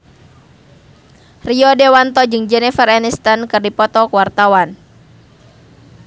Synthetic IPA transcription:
riɔdɛwant̪ɔd͡ʒɨŋd͡ʒɛnɛfəranist̪ankɨrdipɔt̪ɔkuwart̪awan

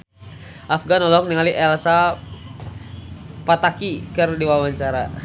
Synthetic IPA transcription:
ʔafɡanɔlɔk̚niŋaliʔɛlsa | pat̪akikərdiwawaɲt͡ʃaɾa

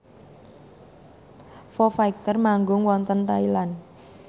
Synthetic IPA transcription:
fɔfaik̚t̪ərmaŋɡʊŋwɔnt̪ənt̪ailan

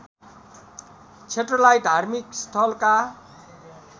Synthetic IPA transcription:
t͡sʰeʈrʌlajʈd̪ʱarmikst̪ʰʌlka

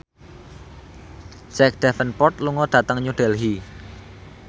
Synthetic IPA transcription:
sɛk̚d̪̥ɛfənpɔrt̪̚luŋɔɖ̪̥ä̤t̪əŋɲuɖ̥ɛ̤lɦi

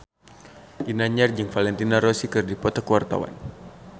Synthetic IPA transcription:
ʔinaɲard͡ʒɨŋfalɛnt̪inaɾosikɨrdipɔt̪akəwart̪a̰wa̰n

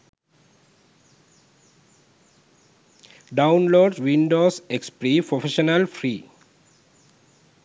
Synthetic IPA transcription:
ɖãʊ̃nloːɖʋĩɳɖoːsekspɾiːpɾofeʃənəlfɾiː

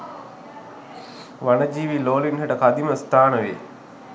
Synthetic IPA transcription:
ʋanəd͡ʒiːʋiloːlinɦəʈəkad̪iməst̪ʰaːnəʋḛː

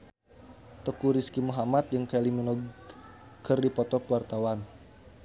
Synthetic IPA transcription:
t̪əkuɾiskimuɦamat̪̚jɨŋkeliminɔ | kərdipɔt̪ɔkəwart̪awan

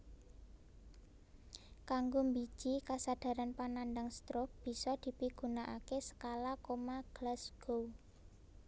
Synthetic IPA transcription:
kaŋɡombid̥ʒ̥ikasad̪̥a̤ɾanpanand̪aŋst̪ɾob̥i̤sɔd̪̥i̤piɡ̥ṳnaʔakesə̥kalakomaɡ̥lasɡ̥ow

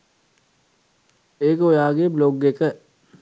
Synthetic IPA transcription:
ekojaːɡebloːɡːekə

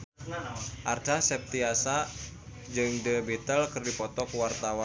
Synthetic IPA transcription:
ʔart̪asɛp̚t̪iasa | d͡ʒɨŋdəbit̪əlkɨrdipɔt̪ɔkəwart̪awa

